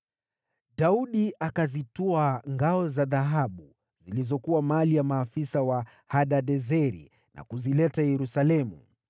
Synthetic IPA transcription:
ɗauɗiʔakazitɔaŋɡaɔzaðaɦaɓu | zilizɔkuwamalijamaːfisawa | haɗaɗɛzɛɾḭ | na̰kuzilɛtajɛɾusalɛmu

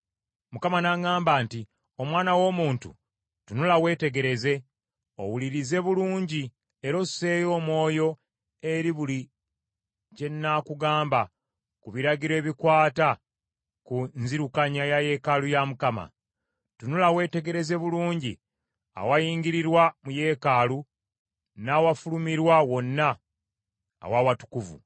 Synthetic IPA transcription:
mukamanaŋaːmbaːnti | o̞mwaːnawo̞muːntṵ | tunulawe̞ːte̞ɡe̞ɾe̞ze̞ | o̰wuliɾize̞βuluːɲɟi | eɾo̞̥se̞ːjo̞ːmwo̞ːjo̞ | e̞ɾiβuli | ce̞nːakuɡaːmba | kuβiɾaɟiɾe̞ːβikwaːta | kunziɾukaɲajaje̞kalujamukama̰ | tunulawe̞ːte̞ɡe̞ɾe̞ze̞βuluːɲɟi | a̰wajiːŋɡiɾiɾwamuje̞ːkalu | nawafulumiɾwawo̞nːaː | wawatu̥kuvṵ

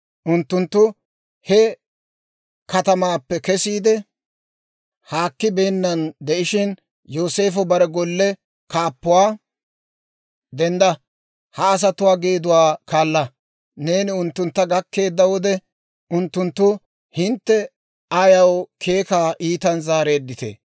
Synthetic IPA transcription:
ʔʊnt̪ːʊnt̪ːʊ | hɛ | kɐt̪ɐmaːpːɛkɛsiːd̪ɛ | haːkːɪbe̞ːnːɐnd̪ɛʔɪʃɪn | joːse̞ːfɔbɐɾɛɡɔlːɛ | kaːpːʊwaː | d̪ɛnd̪ɐ | hɐːs̬ɐt̪ʊwaːɡe̞ːd̪ʊwaːkaːlːɐ | ne̞ːnɪʊnt̪ːʊnt̪ːɐɡɐkːe̞ːd̪ːɐwɔd̪ɛ | ʔʊnt̪ːʊnt̪ːʊ | hɪnt̪ːɛ | ɐjɐwkʰe̞ːkaːʔiːt̪ɐnzaːɾe̞ːd̪ːɪt̪ḛː

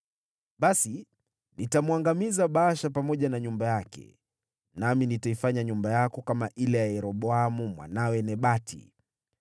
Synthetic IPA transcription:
ɓasi | nitamwaŋɡamizaɓaːʃapamɔʄanaɲumbajakɛ̰ | naminitaifaɲaɲumbajakɔkamaʔilɛjajɛɾɔɓɔamumwa̰nawɛnɛɓatʰḭ

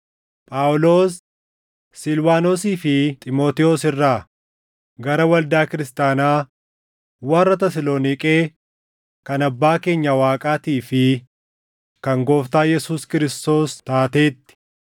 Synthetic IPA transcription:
pʼaːwlo̞ːsː | ɪlwaːnoːsiːfɪt̪ʼɪmo̞ːt̪ɪoːsɪrːaː | ɡɐɾɐwɐld̪aːkɪɾɪst̪aːnaː | waːrːɐt̪ɐsɪloːnɪkʼeː | kɐnɐbːaːke̞ːɲːɐwaːkʼaːt̪iːfɪ | kɐŋɡo̞ːft̪aːjɛsuːskɪɾɪst̪o̞ːst̪aːt̪e̞ːt̪ːɪ̥

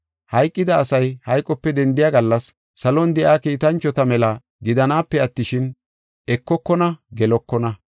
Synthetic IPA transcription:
hɐjkʼːɪd̪ɐːsɐjhɐjkʼːɔpːɛd̪ɛnd̪ɪjaːɡɐlːɐsː | ɐlɔnd̪ɛʔaːkiːt̪ɐnt͡ʃːɔt̪ɐmɛlɐ | ɡɪd̪ɐnaːpːɛɐt̪ːɪʃɪn | ɛkːɔkːɔnɐɡɛlɔkːɔnɐ

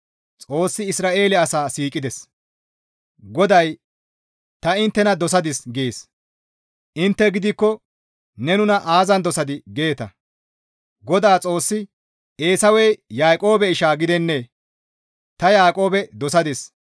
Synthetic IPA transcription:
t͡sʼo̞ːsːɪɪsɾaːʔe̞ːlɛɐsaːsiːkʼɪd̪ɛs | ɡɔd̪ɐj | t̪ɐɪnt̪ːɛnɐd̪ɔsɐd̪ɪsɡeːs | ʔɪnt̪ːɛɡɪd̪ɪkːɔ | nɛnʊnɐʔaːzɐnd̪ɔsɐd̪ɪɡe̞ːt̪ɐ̰ | ɡɔd̪aːt͡sʼo̞ːsːɪ | e̞ːsɐwɛjjaːkʼo̞ːbɛɪʃaːɡɪd̪ɛnːe | t̪ɐjaːkʼo̞ːbɛd̪ɔsɐd̪ɪs

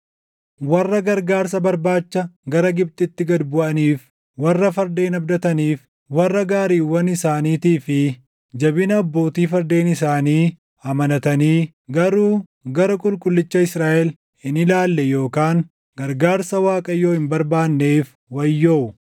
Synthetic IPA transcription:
wɐrːɐɡɐɾɡaːɾsɐbɐɾbaːt͡ʃːɐɡɐɾɐɡɪb̚t̪ʼɪt̪ːɪɡɐd̪bʊʔɐniːf | wɐrːɐfɐɾd̪e̞ːnɐbd̪ɐt̪ɐniːf | wɐrːɐɡaːɾiːwɐnɪsaːniːt̪iːfɪ | d͡ʒɐbɪnɐːbːo̞ːt̪iːfɐɾd̪e̞ːnɪsaːniː | ɐmɐnɐt̪ɐniː | ɡɐɾuː | ɡɐɾɐkʼʊlkʼʊlːɪt͡ʃːɐɪsɾaːʔɛl | hɪnɪlaːlːɛjo̞ːkaːŋ | ɡ̥ɐɾɡaːɾsɐwaːkʼɐjːo̞ːhɪmbɐɾbaːnːe̞ːf | wɐjːoːʊ

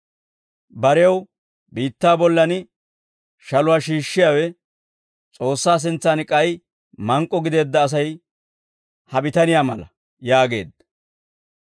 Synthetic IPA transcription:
bɐɾɛɐw | biːt̪ːaːbɔlːɐnɪ | ʃɐlʊwaːʃiːʃːɪjaːwɛ | t͡sʼo̞ːsːaːs̬ɪnt͡sːaːnkʼɐj | mɐŋkʼːɔɡɪd̪e̞ːd̪ːɐːs̬ɐj | hɐbɪt̪ɐnɪjaːmɐlɐ | jaːɡe̞̰ːd̪ːɐ

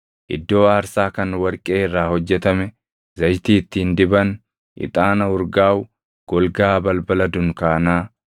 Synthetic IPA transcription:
ʔɪ̰d̪ːo̞ːaːɾsaːkɐnwɐɾkʼeːɪrːaːhɔd͡ʒːɛt̪ɐmɛ | zɐjt̪iːt̪ːiːnd̪ɪbɐn | ʔɪ̰t̪ʼaːnɐʊɾɡaːwʊ | ɡ̥ɔlɡaːbɐlbɐlɐd̪ʊŋkaːnaː

